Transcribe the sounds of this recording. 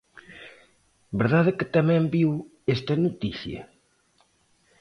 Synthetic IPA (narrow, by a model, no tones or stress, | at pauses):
beɾðaðɪkɪt̪amɛ̃mbiw | est̪ɐnut̪iθjɐ̰